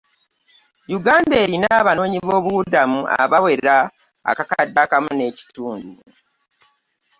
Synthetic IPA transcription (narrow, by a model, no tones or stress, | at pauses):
juɡaːndeːɾinaβano̞ːɲiβo̞ːβuudamuʔa̰βawe̞ɾa̰ː | kakadakamune̞ːci̥tuːndu